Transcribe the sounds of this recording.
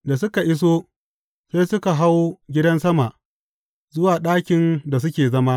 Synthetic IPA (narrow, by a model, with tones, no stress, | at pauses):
da˨s̬ʊ˦ka˨ʔɪ˦s̬o˦ | seː˦sʊ˦ka˨ɦa˦wɡʲɪ˦dɐ˦nsɐ˦ma˨ʔ | zʊ˦waː˨ɗaː˦kʲɪ˨nda˨s̬ʊ˦kʲeː˨zɐ˦ma˦